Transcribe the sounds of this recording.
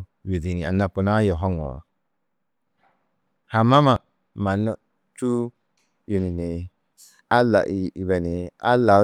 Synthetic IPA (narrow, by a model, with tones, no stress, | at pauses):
wi˨ði˨nĩ˨a˨nã˧˨pu˨nã˦jɔ˨ɦɔ˦ŋɔ̰˨ | ha˨mã˦mã˨ | mã˨nɔ˦ | t͡ʃu˦ | ju˨ni˨ne˨˦ | a˦la̰˨ʔi˨i˨βɛ˨ne˨a˦la˨